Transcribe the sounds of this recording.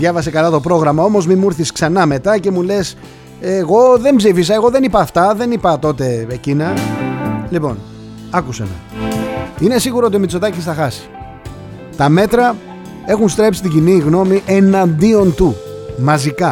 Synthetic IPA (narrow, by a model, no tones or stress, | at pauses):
ðjɐvɐse̞kɐlɐt̪o̞pɾo̞ɣɾɐmɐo̞mo̞zmimuɾθisksɐnɐme̞t̪ɐce̞mule̞s | eɣo̞ðe̞mbzifis̬ɐe̞ɣo̞ðe̞nipɐːft̪ɐðe̞nipɐt̪o̞t̪e̞ecinɐ | lipo̞̰n | ɐkusemɐ̰ | ine̞siɣuɾoot̪iomit͡so̞t̪ɐcisθɐxɐsi̥ | t̪ɐme̞t̪ɾɐ | e̞xunst̪ɾe̞psi̥t̪iɟiniɣno̞miʔe̞nɐnd̪io̞nt̪u | mɐzikɐ